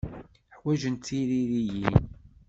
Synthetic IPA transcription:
ħwæʒənt̪ːiɾiɾijin

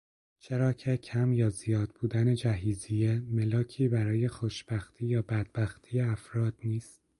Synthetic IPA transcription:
t͡ʃʰe̞ɾɒːcʰe̞cʰæmjɒːzijɒːd̪̥̚buːd̪æne̞d͡ʒæɦiːzijeme̞lɒːcʰiːbæɾɒːje̞xoʃb̥æxt̪ʰiːjɒːbæd̪̚bæxt̪ʰiːjeæfɾɒːd̪̥niːst̪̚

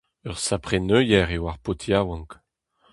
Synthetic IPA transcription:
œʁsapχenøjɛʁewaʁpot̪ʰjawɑ̃ŋk

